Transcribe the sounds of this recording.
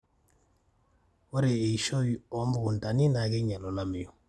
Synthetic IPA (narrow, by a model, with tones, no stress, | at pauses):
wo˦ɾe˨e˨ʃo˦jio˨˦mbu˦ɡu˨nta˨ni˦na˨ɡe˦ɲa˨lo˨la˦mi˨jo˨